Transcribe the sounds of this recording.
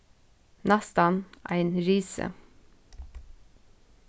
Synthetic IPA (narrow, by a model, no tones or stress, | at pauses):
nɑst̪ɑnʔæ̰ɪnɾiːsə̰